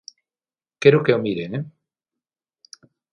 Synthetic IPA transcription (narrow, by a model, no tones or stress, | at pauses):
keɾokeomiɾeŋe